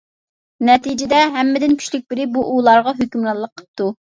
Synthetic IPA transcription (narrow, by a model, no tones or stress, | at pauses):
nɛt̪ʰid͡ʒɪd̪ɛɦɛmːɪd̪ɪnkʲʰy̥ʃlyk̚ʲbɪɾɪbuʔulˠɑɾʁɑɦøkʲymɾɑlˠːəqʰːə̥p̚t̪u